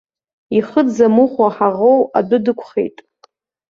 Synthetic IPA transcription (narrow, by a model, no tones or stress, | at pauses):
iχədd͡zamuχʷaħaʁowa̰dʷʊdɨkʷʰχḛjtʼ